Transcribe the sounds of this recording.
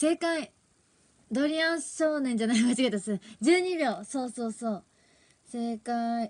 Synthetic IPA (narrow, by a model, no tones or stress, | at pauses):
se̞kai | d̪oɾʲiãɰ̃ɕoːnẽɲ̟d͡ʑanaikat͡ɕiɡet̪asɨd͡ʑɨːɲ̟ibʲo̞ːso̞ːso̞ːsoː | se̞kai